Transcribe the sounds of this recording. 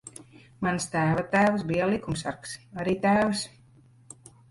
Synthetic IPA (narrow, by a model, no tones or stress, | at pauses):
manst̪æːvat̪æːvs̬bijalˠikumsa̰ɾksaɾiːt̪æːvs